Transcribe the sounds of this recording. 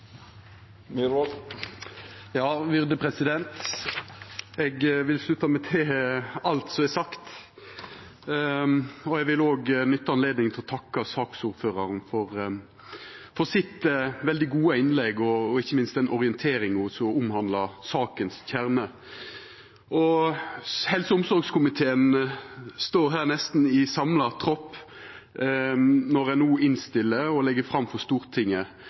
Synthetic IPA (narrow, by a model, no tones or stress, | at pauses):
jɑːʋɪʁd̪əpʰɾɛsɪd̪ɛnt̪ | ɛɡʋɪlslʉt̪ːɑmɛt̪ʰɛɑlt̪sɔmɛsɑkt̪ | ɔɛɡʋɪloːɡnʏt̪ːɑɑnleːd̪nɪŋt̪ʰɪlɔt̪ʰɑkːɑsɑːksuːɾføːɾɑɾnfɔɾ | fɔsɪt̪ʋɛld̪ɪɡuːɑɪnlɛɡɔːɪçːəmɪnst̪ɛnʔɔʁɪənt̪ʰeːɾɪŋʊsɔʊmhɑnd̪lɑsɑːkənsçʰæɾmə | ɔ | hɛlsəʊmsɔɾɡskʰʊmɪt̪ʰeːən | st̪oːɾɦæːʁnɛst̪n̩ɪsɑmlɑt̪ʰɾɔpː | nɔɾænuːɪnst̪ɪlːəɔlɛɡːəfɾɑmfɔst̪uːɾt̪ʰɪŋːə